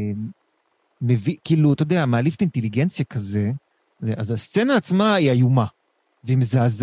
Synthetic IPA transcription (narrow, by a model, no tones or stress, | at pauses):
m | mevikiːlut̪od̪eamaːlift̪int̪eliɡent͡sjakaze | zeʔazast͡senaːt͡smaiajuma | veimzaːz